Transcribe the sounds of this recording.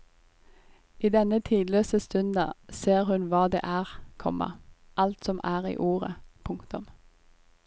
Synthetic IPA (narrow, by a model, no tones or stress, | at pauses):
iːd̪ɛnət̪ʰiːd̪løːsəst̪ʉnd̪ɑ̰seːʁhʉnʋɑːd̪ḛːʔæːʁkʰɔ̰mʔɑ̰ | ʔɑlt̪sɔmʔæːʁḭːʔuːʁəpʰʊŋkt̪ʊm